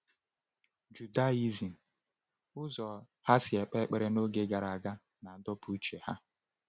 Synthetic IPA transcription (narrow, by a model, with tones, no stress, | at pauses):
d͡ʒu˨da˦i˦zi˨n̩˨ | ʊ˦zɔ˨ | ha˦sɪ˨e˨k͡pe˦k͡pe˦ɾe˦no˦ɡe˦ɡa˨ɾa˨a˨ɡa˦ | na˨˦dɔ˦pu˦t͡ʃe˨ha˦